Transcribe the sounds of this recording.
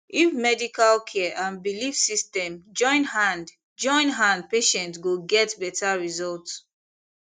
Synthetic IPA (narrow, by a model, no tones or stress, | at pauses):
ifmɛdikalkʰɛʔãnbilifsistɛ̃md͡ʒɔ̃ɪ̃nhãnd | d͡ʒɔ̃ɪ̃nɦãnd̚peʃɛ̃ntɡoɡɛtbɛtʰaɹizɔlts